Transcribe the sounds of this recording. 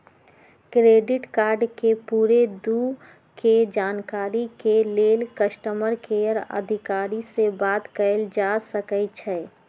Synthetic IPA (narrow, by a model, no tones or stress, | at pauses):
kɾeːɖɪʈkaːɾɖkepuːɾed̪u | ked͡ʒaːnkaːɾikeleːlkəsʈəməɾkeəɾə̰d̪ʱɪkaːɾisebaːt̪kəld͡ʒasəkət͡ʃʰɛ